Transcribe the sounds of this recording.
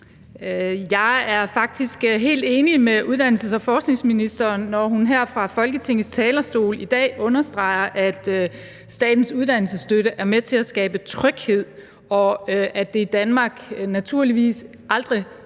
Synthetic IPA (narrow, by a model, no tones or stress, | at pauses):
jɑ̈ɪæɐfɑ̈ɡ̥̚d̥isɡ̥ɦe̝̰ːld̥e̝ːnimeʔuð̞ˠd̥æn̰l̩səsɒ̽fɒːsɡ̥neŋsminisd̥ɐːnːɒɦunɦæɐ̰fʁɑ̈fɒ̽lɡ̥ət͡sʰe̝ŋ̰ð̩ˠst͡sʰɛːlɐsd̥o̝̰ːlid̥ɛ̰ːʔɔ̽nɐsd̥ʁɑ̈ɪɐʔæd̥ | sd̥ɛ̰ːd̥n̩suð̞ˠd̥æn̰l̩səsd̥øɾəʔæɐmet͡sʰe̝læsɡ̥ɛ̰ːb̥ət͡sʰʁœɡ̥he̝ð̞̰ˠ | ɒ̽ʔæd̥e̝id̥ænmɑ̈ːɡ̥næt͡sʰuɐ̰liʋḭːs | ʔɑ̈ld̥ʁi